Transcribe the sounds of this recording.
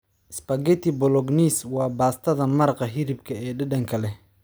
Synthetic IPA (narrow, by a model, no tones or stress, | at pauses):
ɪspɐɡɛt̪ʰibɔlɔɡniːswɑːbaːst̪ʰɐðɐmɐɾqɐɦɪɾɪb̚kʰɐɛːɖɐɖɐŋkʰɐlɛ